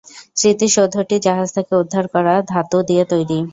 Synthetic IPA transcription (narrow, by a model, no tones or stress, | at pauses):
sɾit̪iʃod̪ʱːoʈid͡ʑaɦad͡ʑt̪ʰekeud̪ʱːaɾkɔɾad̪ʱat̪od̪iet̪ojɾi